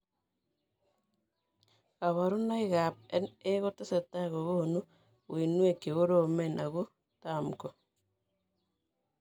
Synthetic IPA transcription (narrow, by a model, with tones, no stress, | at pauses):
a˨βa˨ɾu˦na˦i˦ɣa˨p̚e˦ne˦ɣo˦te˦se˨ta˦ɣo˨ɣo˨nu˦ | i˨nwe˦ke˨o˦ɾo˦me˦nʔa˨ɣo˦ | tamko˨